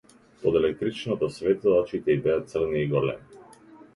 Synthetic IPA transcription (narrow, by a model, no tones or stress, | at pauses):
pod̪ɛlɛk̚t̪ɾit͡ʃnɔt̪ɔsvɛt̪ɔɔt͡ʃit̪ɛibɛat̪sər̩niiɡɔɾlɛ̰mi